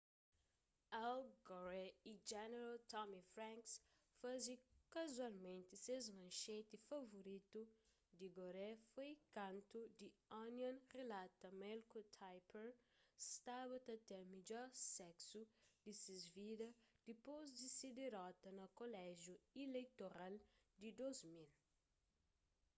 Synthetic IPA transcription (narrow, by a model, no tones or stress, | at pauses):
awɡoɾɛid͡ʒɛneɾalt̪ɔmifɾãŋks | fazikɐzualmẽnt̪ɪsezmɐ̃ʃẽt̪ɪfɐvoɾit̪u | d̪iɡoɾɛfojkãnt̪ud̪ianjɐ̃nrelat̪ɐmɛlkot̪ʰajpeɾsst̪aβɐt̪ɐt̪ɛmiʎɔɾsɛksud̪isizvid̪ɐd̪̥ipozd̪ised̪eɾɔt̪ɐnɐkolɛʒjuilejt̪oɾald̪id̪ozmil